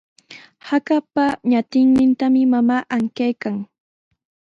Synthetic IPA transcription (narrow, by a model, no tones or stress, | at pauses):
hakapaɲat̪ɪŋnɪnt̪amɪmamaːʔaŋkajkaŋ